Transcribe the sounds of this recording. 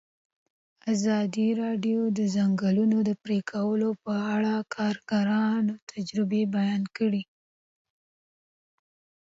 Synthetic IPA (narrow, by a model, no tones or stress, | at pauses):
azɑd̪iɾɑɖjod̪əzaŋɡalunod̪əpɾekʰawəlopəaɽakʰɑɾɡaɾɑnawt̪ʰad͡ʒɾɪbebajɑnkəɽi